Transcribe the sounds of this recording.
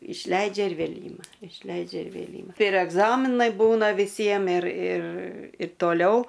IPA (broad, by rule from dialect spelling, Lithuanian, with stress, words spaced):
ɪʃʲˈlʲɛɪd͡ʒʲɛ ɪr ˈʋʲeːlʲ ˈiːmɐ ɪʃʲˈlʲɛɪd͡ʒʲɛ ɪr ʋʲeːlʲ ˈiːmɐ ɪr ɛɡˈzɑːmʲɪnɐɪ ˈbuːnɐ ʋʲɪˈsʲiɛm ɪr ɪr ɪ toːˈlʲɛʊ